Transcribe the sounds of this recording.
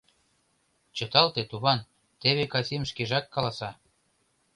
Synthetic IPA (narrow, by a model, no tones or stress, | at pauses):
t͡ɕɤ̆t̪ɑlt̪et̪uβɑn | t̪eβekɑsimʃkeʒɑkːɑlɑsɑ